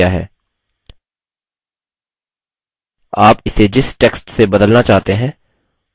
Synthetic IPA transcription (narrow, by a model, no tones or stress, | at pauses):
aɦɛ̰ː | aːpɪsed͡ʒɪsʈeːksʈsebɐd̪əlnat͡ʃaːɦt̪eɦɛ̃ː